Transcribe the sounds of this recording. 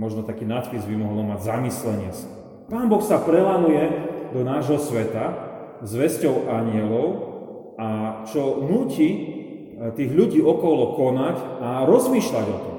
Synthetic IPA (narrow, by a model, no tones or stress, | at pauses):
mɔʒnɔt̪akiːnat̪pizbimɔɦlɔmaɟzamislɛɲɪɛt͡s | paːnbɔxsapɾɛlanujɛd̪ɔnaːʒɦɔsʋɛt̪a | zʋɛscɔʊʔaɲɪɛlɔʊ | at͡ʃɔnuːci | t̪iːɣʎuɟiːɔkɔlɔkɔnacaɾɔzmiːʃlaɟɔt̪ɔm